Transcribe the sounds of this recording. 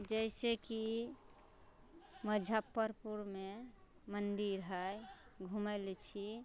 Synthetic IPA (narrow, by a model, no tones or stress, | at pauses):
d͡ʒəɪseki | məd͡ʒʱapːəɾpuɾme | mənd̪iɾɦəjɡʱuməlet͡ʃʰi